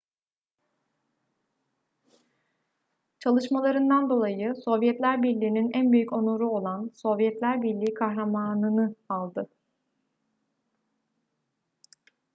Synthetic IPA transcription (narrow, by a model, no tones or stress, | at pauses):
t͡ʃʰalˠɯʃmalˠaɾɯnd̪and̪o̞lˠajɯso̞vjɛt̪lʲæɾbiɾlʲiːninænbyjyco̞noɾuo̞lˠanso̞vjɛt̪lʲæɾbilʲiːkʰaɦɾamaːnɯnɯalˠd̪ɯ